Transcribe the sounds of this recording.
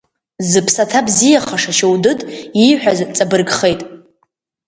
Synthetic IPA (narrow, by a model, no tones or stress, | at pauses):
zɨpʰsatʰabzijaχaʂaʃowdɨtʼiħʷᶣazt͡sʼabɨrɡχe̞jtʼ